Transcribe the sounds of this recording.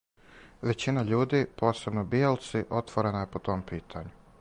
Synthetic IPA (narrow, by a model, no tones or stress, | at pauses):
ʋe̞t͡ɕinaʎuːd̪iːpo̞ːse̞bnobijelt̪siʔo̞t̪ʋoɾenaje̞po̞t̪o̞mpiːt̪ʰaɲu